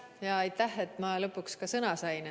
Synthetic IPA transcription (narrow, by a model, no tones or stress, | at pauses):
jɑɑjt̪ːˑæhe̞t̪ːˑmɑlɤ̞pːukskɑsɤnɑsɑjn